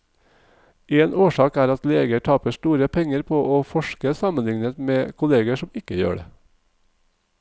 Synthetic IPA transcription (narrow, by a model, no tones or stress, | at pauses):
eːnʔoːʃɑːkæːɾɑt̪leːɡəʈʰɑːpəʃʈuːɾəpʰɛŋəɾpʰoːʔoːfɔʃkəsɑmənlɪŋnət̪meːkʰʊleːɡəʃɔmɪkəjø̰ːɖḛː